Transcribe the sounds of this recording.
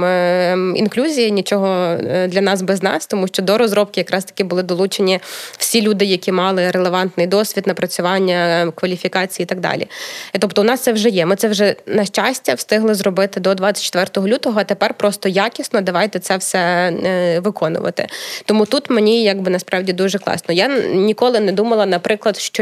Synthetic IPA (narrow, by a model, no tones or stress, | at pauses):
ḭnklʲuzʲijɐnʲit͡ʃɔɦɔd̪lʲɐnɑsbɛznɑ̰st̪ɔmuʃt͡ʃɔd̪ɔɾɔzɾɔp̚kʲɪjɐkɾɑst̪ɐ̥kʲɪbʊlˠɪd̪ɔlˠut͡ʃenʲiw̥sʲilʲud̪ɪjɐkʲimɑlˠɪɾelˠeʋɑnt̪nɪjd̪ɔsʲʋʲid̪nɐpɾɐt͡sʲʊʋɑnʲːɐkʋɐlʲifʲikɑt͡sʲijiːt̪ɐɡ̚d̪ɑ̰lʲḭt̪ɔpt̪ɔʊnɑst̪sɛwʒɛjɛmɪt̪sɛwʒɛnɐʃt͡ʃɑsʲtʲɐwst̪ɪɦlˠɪzɾɔbɪt̪ɪd̪ɔd̪ʋɑt͡sʲːɐ̥t͡ʃːɪ̥t̪ʋɛrt̪ɔɦɔlʲut̪ɔɦɔɐt̪epɛrpɾɔst̪ɔjakʲisnɔd̪ɐʋɑjt̪ɛt̪sɛwsɛ | ʋɪkɔnʊ̰ʋɐ̰t̪ɪ̰t̪ɔmut̪ut̪menʲijɑɡbɪnɐspɾɑwdʲid̪uʒɛklˠɑ̰snɔjanʲikɔlˠɪnɛd̪umɐlˠɐnɐpɾɪklˠɐd̪ʃt͡ʃɔ